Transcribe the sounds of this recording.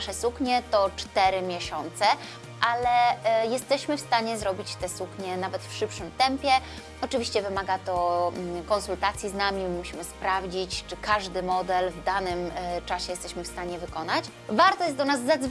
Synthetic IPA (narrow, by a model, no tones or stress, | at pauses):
ʂɛsukɲɛt̪ɔt͡ʂt̪ɛɾɘmʲjɛɕɔnt̪sɛ | ʔalɛjɛst̪ɛɕmɘfst̪aɲɛzɾɔbʲit͡ɕt̪ɛsukɲɛnavɛt̪fʂɘpʂɘmt̪ɛmpʲjɛ | ɔt͡ʂɘvʲiɕt͡ɕɛvɘmaɡat̪ɔkɔnsult̪at̪sʲjiznamʲimuɕimɘspɾavd͡ʑit͡ɕt͡ʂɘkaʐd̪ɘmɔd̪ɛlvd̪anɘmt͡ʂaɕɛjɛst̪ɛɕmɘfst̪aɲɛvɘkɔnat͡ɕ | vaɾt̪ɔjɛsd̪ɔnazːad̪z